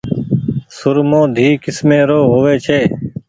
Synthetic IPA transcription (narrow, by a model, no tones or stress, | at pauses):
sʊɾmõːd̪ʱiːkɪsmẽːɾoːɦoːʋeːt͡ʃʰeː